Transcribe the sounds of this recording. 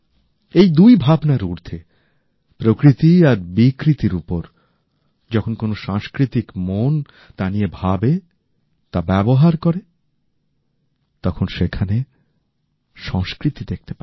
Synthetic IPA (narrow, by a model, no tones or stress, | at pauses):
ejd̪ujbʱabnaɾuɾt̪ʰe | pɾokɾit̪iaɾbikɾit̪iɾupoɾ | d͡ʑɔkʰonkonoʃaŋskɾit̪ikmon | t̪aniebʱabe | t̪abɛboɦaɾkoɾe | t̪ɔkʰonʃekʰane | ʃɔŋskɾit̪id̪ek̚t̪e̥pae